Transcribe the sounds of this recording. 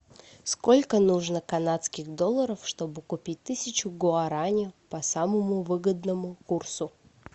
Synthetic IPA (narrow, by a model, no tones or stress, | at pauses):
sko̞lʲkənuʐnəkɐnat̪skʲɪxd̪o̞lˠːəɾəfʂt̪o̞bɨkʊpʲit̚ʲt̪ɨsʲɪt͡ɕʊɡoɐɾanʲɪʊpɐsaməmʊvɨɡəd̪nəmʊkursʊ